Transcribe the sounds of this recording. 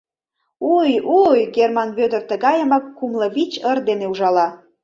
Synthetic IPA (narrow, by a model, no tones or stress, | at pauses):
ujujɡermɑnβød̪ə̆rt̪əɣɑjəmɑkːumlə̆βit͡ɕərd̪eneuʒɑlɑ